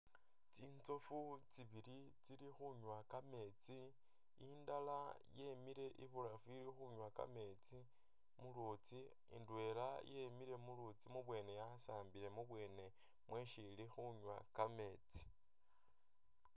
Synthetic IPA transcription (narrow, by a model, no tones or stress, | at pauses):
t͡siːnt͡so̞fut͡siβiɾi | t͡siɾixuɲwakame̞t͡si | indala | je̞miɾe̞ʔiβuɾafuilixuɲwaka̰me̞t͡si | mulut͡si | ḭndwe̞ːlajemiɾe̞mulut͡simuβwe̞ːne̞jasaːmbile̞muβwe̞ːne̞ | mwe̞ʃilixuɲwakame̞ːt͡si̥